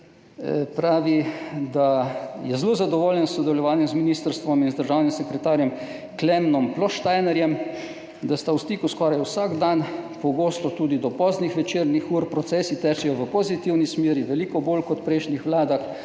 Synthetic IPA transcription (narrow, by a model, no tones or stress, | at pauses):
pɾaːʋid̪ajɛzloːzad̪ɔʋoːljɛnsːɔd̪ɛlɔʋaːnjɛmzminist̪əɾst̪ʋɔminzd̪əɾʒawnimsɛkɾɛt̪aːɾjɛm | klɛmnɔmplɔʃt̪ajnɛɾjɛm | d̪ast̪awst̪iːkuskɔɾajusaɡd̪anpɔɡoːst̪ɔt̪uːd̪id̪ɔpɔznixʋɛt͡ʃeːɾnixuːɾpɾɔt̪sɛːsit̪ɛːt͡ʃɛjɔʋəpɔzit̪iwnismeːɾiʋɛliːkɔboːlkɔt̪pɾɛɪʃnixʋlaːd̪ax